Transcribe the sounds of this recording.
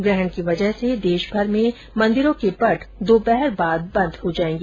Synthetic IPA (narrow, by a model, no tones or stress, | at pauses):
ɡɾɛɦəɳkiʋɐd͡ʒəɦsed̪eːʃbʱɐɾmẽ | mɐ̃nd̪ɪɾõkepɐʈʰd̪oːbɛɦəɾbaːd̪̚bɐ̃nd̪ɦod͡ʒaːẽːŋɡeː